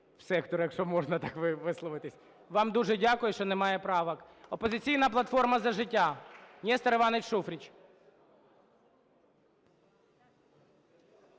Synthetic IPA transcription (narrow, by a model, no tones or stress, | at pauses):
wsɛkt̪ɔɾjɐkʃɔmɔʒnɐt̪ɑkʋɪʋɪslˠɔʋɪt̪ɪsʲ | ʋɑmd̪uʒɛdʲakʊjʊʃt͡ʃɔnɛmɑjɛpɾɑʋɐk | ɔpɔzɪt͡sʲijnɐplˠɐt̪fɔrmɐzɐʒɪtʲːanʲɛst̪ɐɾeʋɑnet͡ʃʲʃufɾʲit͡ʃ